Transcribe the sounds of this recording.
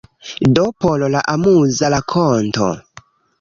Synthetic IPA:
dopololaʔamuzalakʰonto̰

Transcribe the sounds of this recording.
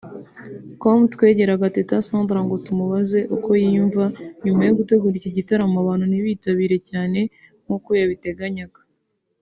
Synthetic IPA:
komtwe̞ɟe̞ɾaɡatetasaːndɾaŋɡo̞tumuβaze̞ʔuko̞jiːɱvaɲumajo̞ɡute̞ɡuɾiciɟitaɾamaβaːn̥huniβiːtaβiːɾe̞caːne̞ | m̥okujaβite̞ɡaɲaɡḁ

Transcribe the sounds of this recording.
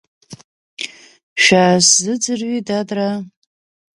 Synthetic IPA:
ʃʷᶣaːszɨd͡zɨrɥidadra

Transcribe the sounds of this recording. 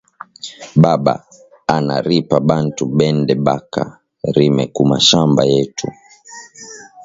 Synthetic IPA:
ɓaɓa̰ | ana̰ɾipaɓantuɓɛndɛɓaka̰ | ɾimɛkuma̰ʃambajɛtu

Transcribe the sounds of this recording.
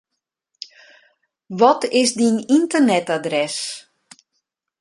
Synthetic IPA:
ʋɔtʰɪsdinintərnɛtadrɛs

